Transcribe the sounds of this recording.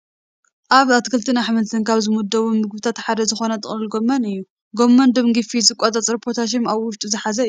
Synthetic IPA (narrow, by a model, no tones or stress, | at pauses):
ʔaβat̪kʰɨlt̪ʰɨnaħmɐt̪ʰɨnkʰaβzɨmud̪ːɐβumɨɡβɨt̪ʰat̪ħad̪ɐzɨxo̞nɐt̪ʼɨχʼlɨlɡomːɐnɨjːu | ɡo̞mːɐnd̪ɨmɡifizɨkʷʼot̪ʼɐt͡sʼɾipʰoɾt̪ʰaʃ̬ɪnaβwʊʃt̪ʼuzɨħazɐɨ